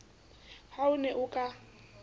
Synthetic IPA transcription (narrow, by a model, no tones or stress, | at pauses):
haʊnɛʔʊkʼa